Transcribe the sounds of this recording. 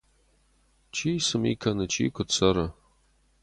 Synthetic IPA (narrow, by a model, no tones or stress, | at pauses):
t͡ʃʰiːsɨmḭkʰɐnɨt͡ʃʰḭːkʷʰʊt͡sʰɐɾɐ